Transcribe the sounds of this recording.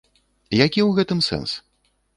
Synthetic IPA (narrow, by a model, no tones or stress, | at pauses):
jakʲiwɣɛt̪ɨmsɛ̰ns